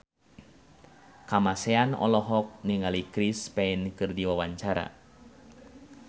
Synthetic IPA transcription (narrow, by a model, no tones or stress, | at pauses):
kamasɛanɔ̰lɔɦɔk̚niŋalikɾispɛinkɨrdiwawaɲt͡ʃaɾa̰